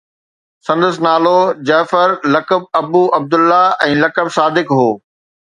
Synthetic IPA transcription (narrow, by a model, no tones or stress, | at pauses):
sɐ̃nd̪əsɪnaːlod͡ʑaːfəɾlɐkəb̚ɐbuːʔɐb̚d̪ʊlːaɛ̃ːlɐkəbsaːd̪ɪkɦoː